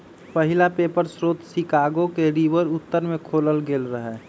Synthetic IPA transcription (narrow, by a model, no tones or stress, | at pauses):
pəɦɪlapeːpəɾsɾoːt̪sikaːɡokeɾiʋəɾʊt̪ːəɾmẽkʰoːləlɡeːlɾəɦɛː